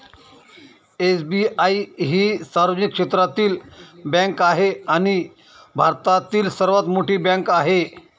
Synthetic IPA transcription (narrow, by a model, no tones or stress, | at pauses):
esbiaiɦiːsaɾʋəd͡ʑnikːʂet̪ɾat̪iːlbãŋkaɦeaɽ̃i | bʱaɾt̪at̪iːlsəɾʋat̪moʈiːbjãŋkaɦe